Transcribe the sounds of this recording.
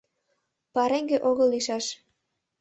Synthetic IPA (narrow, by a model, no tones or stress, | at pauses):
pɑɾeŋɡeʔoɣɤlːiʃɑʃ